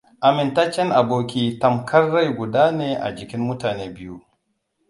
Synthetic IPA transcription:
ʔa˨mɪ˨ntaː˦t͡ʃɛ˦nʔa˨boː˦kʲiː˦tɐ˨mkʰɐ˦rːa˦jɡʷʊ˨daː˦neː˨ʔa̰˨d͡ʒɪ˨kʲɪ˦mːʊ˦taː˨neː˦bɪ˦ju˦

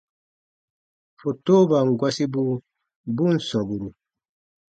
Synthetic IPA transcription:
fo˨toː˦ba˨ŋɡwa˦si˦bu˦ | bu˦nsɔ˨bu˨ɾu˨

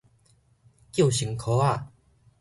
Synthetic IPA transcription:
kji˥˩˨ɕi˨˩ŋkʰo˨˦a˥˧˨

